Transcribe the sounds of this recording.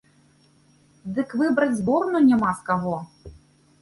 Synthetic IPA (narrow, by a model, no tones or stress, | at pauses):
d̪ɨkvɨbɾɐd͡zʲzbɔrnunʲamaskaɣɔ